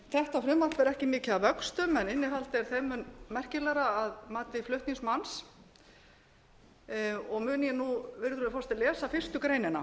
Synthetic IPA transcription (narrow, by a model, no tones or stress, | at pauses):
θɛht̪afɾʏːmarvɛɾɛhcɪmɪːcɪavœkst̪ʏmɛnɪnːɪɦalt̪ɛɾ̥θemʏnmɛr̥cɪlɛɾaaðmaːt̪ɪiflʏht̪niŋsmans | ɔɣmʏːnjɛnuvɪɾðɾʏðafɔst̪ɪlɛːsafɪr̥st̪ʏkɾeːjnɪna